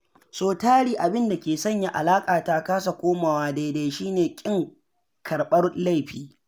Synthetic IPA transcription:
soː˨taː˦ɽiː˨ʔa˨bɪ˦nda˨kʲeː˨sɐ˦˨ɲja˨ʔa̰˨laː˦kʼaː˨ta˦kaː˦s̬a˨kʷoː˦maː˨waː˦da˨da˨jʃiː˦neː˨kʲʼɪ˦ŋ | kʰɐ˨ɽɓɐ˦rla˦jɸiː˦

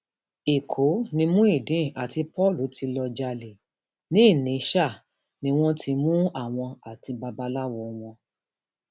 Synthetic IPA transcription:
i˨kʰo˨˦nĩ˧mũ˦i˦˨dĩ˨˦˨a˨ti˧pɔ˦˨lu˨˦tʰi˧lɔ˧d͡ʒa˧le˨ | nĩ˨˦i˦˨nĩ˨˦ʃa˦˨ | nĩ˧w̃ɔ̃˦tʰi˧mũ˦a˦˨w̃ɔ̃˧a˨ti˧ba˧ba˧la˦wɔ˧w̃ɔ̃˧

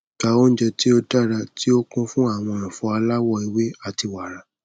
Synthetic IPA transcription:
ka˨˧o˦n̩˦d͡ʒɛ˧ti˦o˧da˦ɾa˧ti˦o˦kũ˦fũ˦a˦˨w̃ɔ̃˧ã˨fɔ˨˧a˧la˦wɔ˦˨i˧we˦a˦˨ti˧wa˨ɾa˨

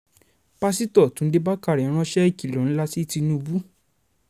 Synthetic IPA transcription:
pa˦si˦tɔ˦˨tũ˨n̩˦de˦ba˦ka˦˨ɾɛ˨˦ɾ̃ã˧˦ʃɛ˦i˦˨ki˨lɔ̃˨ñ̩˦la˦si˦ti˧nũ˦˧bu˦

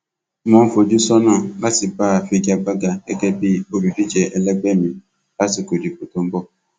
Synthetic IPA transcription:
mɔ˨˦m̩˦fo˨d͡ʒu˦sɔ˦nɔ˦˨a˦sɪ˨paː˦˨fi˦ɡa˦ɡ͡ba˦ɡa˦e˦ke˦pi˦˨o˨bi˨fi˦t͡ʃe˨ʔe˨le˦ɡ͡be˦˨mi˨ | a˦sɪ˨ko˨di˨pu˨tu˨m̩˦bɔ˦

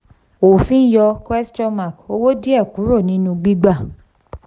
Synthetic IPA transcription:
o˨fĩ˦jɔ˧kwɛ˦st͡ʃɔ̃˦ma˨ko˧wo˦di˦a˦˨ku˨˦ɾo˦˨nĩ˨˦nũ˧ɡ͡bi˦ɡ͡ba˦˨

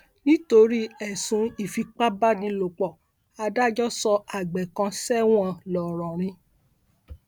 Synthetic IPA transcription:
nĩ˦to˧ɾi˦ɛ˨sũ˨˦i˦˨fi˧k͡pa˦ba˦nĩ˧lo˨k͡pɔ˨ | a˧da˦d͡ʒɔ˦sɔ˧a˨ɡ͡bɛ˨kã˧sɛ˦w̃ɔ̃˧lɔ˨ɾ̃ɔ̃˨ɾ̃ĩ˧˦

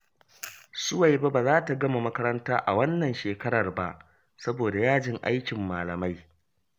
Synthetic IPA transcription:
sʊ˦wa˨jba˦baː˨zaː˦ta˨ɡɐ˦ma˨mɐ˦kɐ˦ɾɐ˦ntaː˦ʔa˨wɐ˦nːɐ˨nʃeː˨kɐ˦ɾɐ˨rba˦ʔ | sɐ˦boː˨da˨jaː˦d͡ʒɪ˦ŋʔa̰˦jkʲɪ˨mːaː˨lɐ˨ma˦j

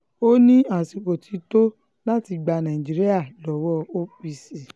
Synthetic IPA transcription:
o˦nĩ˦a˨si˨ko˨tʰi˨˧˦to˦ | la˦ti˧ɡ͡ba˧nã˨ĩ˨d͡ʒi˨ɾi˦a˦˨lɔ˨˦wɔ˦o˦pi˧si˨

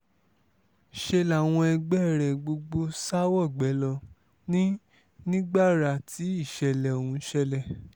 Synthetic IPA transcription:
ʃe˧la˨w̃ɔ̃˧ɛ˧ɡ͡bɛ˦˨ɾɛ˨ɡ͡bo˧ɡ͡bo˧˦sa˦wɔ˦˨ɡ͡bɛ˨˦lɔ˧ | nĩ˦ | nĩ˦ɡ͡ba˦˨ɾa˨tʰi˨˦i˦˨ʃɛ˨lɛ˨õ˨ũ˨˧˦ʃɛ˧lɛ˨

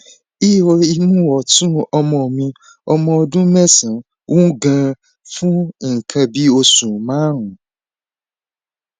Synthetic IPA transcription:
i˦˨wo˧i˧mũ˦wɔ˨tũ˦ɔ˧mɔ̃˧o˨mĩ˧ | ɔ˧mɔ̃˧ɔ˧dũ˦mɛ̃˦sã˨ | wʔũ˦ɡã˧ | fũ˦ŋ̩˨kʰã˧bi˦o˧sũ˨mãː˨˦ɦũ˨

